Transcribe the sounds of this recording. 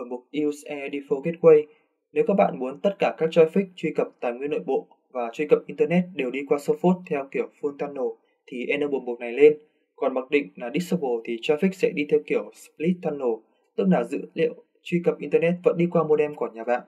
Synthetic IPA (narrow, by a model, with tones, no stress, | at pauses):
ɓu˧˩mɓʊ˨˩k̚ʔi˧sʔɛ˧ɗi˧fo˧ke˦˥t̚kwə˧j | ne˨˦wkɔː˦˥k̚ɓa̰ː˧˨nmu˨˦ənt̪ə˦˥t̚kaː˧˩kaː˦˥k̚t͡ɕɔ˧jfi˦˥k̚t͡ɕwi˧kə˨˩p̚t̪aː˨˩jŋwi˧əno̰˧˨jɓo̰˧˨ | vaː˨˩t͡ɕwi˧kə˨˩p̚ʔi˧nt̪əː˧nɛ˦˥t̚ɗe˨˩wɗi˧kwaː˧so˦˥fo˦˥t̚t̪ʰɛ˧wki˧˩əwfɨ˧əŋt̪ʰaː˧nːo˨˩ | t̪ʰi˨˩ʔɛ˧nɗəː˧˩ɓo˨˩nɓu˨˩t̚na˨˩jle˧n | kɔ˨˩nma˨˩k̚ɗḭ̈˧˨ŋ̟laː˨˩ɗi˦˥k̚sə˧ɓo˨˩t̪ʰi˨˩t͡ɕɔ˧jfi˦˥k̚sɛ̰˧˥ɗi˧t̪ʰɛ˧wki˧˩əwspli˦˥t̚t̪ʰːaː˧nːo˨˩ | t̪ɨ˦˥k̚laː˨˩zɨ̰˧˥lḭ˧˨ə˨w | t͡ɕwi˧kə˨˩pʔi˧nt̪ə˧nɛ˦˥t̚və̰˧˥nɗi˧kwaː˧mo˧˨˧ɗɛ˧mkɔ˧˩ɲaː˨˩ɓa̰ː˧˨nʔ